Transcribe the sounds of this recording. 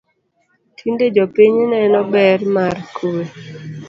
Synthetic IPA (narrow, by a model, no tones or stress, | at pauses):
tʰinded͡ʒɔpiɲnɛnɔbɛrmarkʰuwe